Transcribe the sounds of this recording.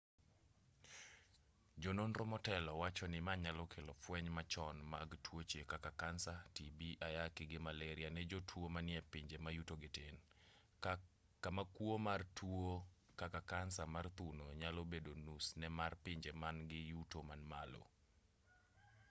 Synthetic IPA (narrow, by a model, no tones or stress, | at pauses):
d͡ʒononɾomɔtɛlɔwat͡ʃɔnɪmaɲalɔkʰelɔfwɛɲmat͡ʃɔnmaɡtwot͡ʃjekakakansatibiʔajakɪɡɪmalɛɾɪanɛd͡ʒotʰwomanɪɛpɪɲd͡ʒemajutoɡɪtɪn | kamakwomartwo | kakakansamart̪unoɲalobedonusnɛmarpɪɲd͡ʒemanɡɪjutomanmalo̰